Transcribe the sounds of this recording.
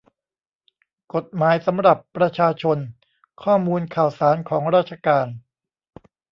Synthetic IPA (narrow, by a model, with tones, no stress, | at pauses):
ko˨˩t̪̚maː˩˦jsa˩˦mɾa˨˩pːɾa˧t͡ɕʰaː˧t͡ɕʰo˧n | kʰɔː˥˩muː˧nkʰaː˨˩wsaː˩˦nkʰɔː˩˦ŋɾaː˥˩t̪̚t͡ɕʰa˧kaː˧n